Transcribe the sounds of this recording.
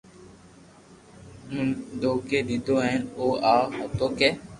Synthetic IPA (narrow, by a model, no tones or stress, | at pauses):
mʊ̃nd̪oːkeːɗ̪id̪oːɛnoːaːɦət̪oːkeː